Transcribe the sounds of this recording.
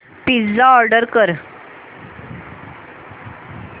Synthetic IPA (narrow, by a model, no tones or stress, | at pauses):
pisd͡zaɔɾɖəɾkəɾ